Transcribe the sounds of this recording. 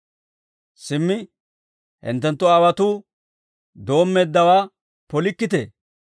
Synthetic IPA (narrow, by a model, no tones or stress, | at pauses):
sɪmːɪ | hɪ̰nt̪ːɛnt̪ːɔɐwɐt̪u | d̪o̞ːmːeːd̪ːɐwaː | pɔlɪkːɪt̪ḛ